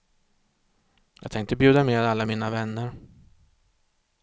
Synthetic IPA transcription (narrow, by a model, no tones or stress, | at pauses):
jɑːɡ̚t̪ɛŋkt̪əbjʉ̟ːd̪ameːd̪alːamiːnavɛnːəɾ